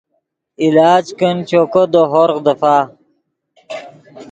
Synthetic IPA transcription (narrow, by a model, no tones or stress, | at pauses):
ilaːd͡ʑkənt͡ɕokod̪oɦoɾqd̪ɐfaː